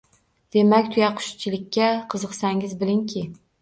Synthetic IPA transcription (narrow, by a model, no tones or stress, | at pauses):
d̪̥e̞makʲt̪ʰʊjaqʰʊ̥ʃt͡ʃʰɪlɪkʲʰːaqʰɨzɨqsaŋɪzbɪlɪŋkʲʰɪ